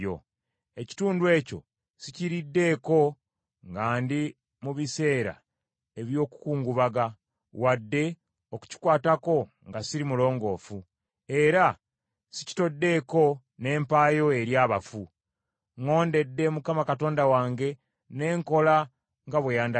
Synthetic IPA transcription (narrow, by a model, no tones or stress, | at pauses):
o̰ | e̞ci̥tuːndwe̞ːco̞̰ | siciɾidːe̞ko̞ | ŋɡaːndi | muβise̞ːɾa̰ | e̞βjo̞ːku̥kuːŋɡuβaɡa | wadːe̞ | oku̥ci̥kwaːtako̞ | ŋɡasiɾimulo̞ːŋɡo̞ːfu | e̞ɾa | sici̥to̞dːe̞ko̞ | ne̞ːmpaːjo̞eɾjaːβa̰fu | ŋo̞ːnde̞dːe̞mukamakato̞ːndawaːŋɡe̞ | ne̞ːŋko̞la | ŋɡaβwejaːnda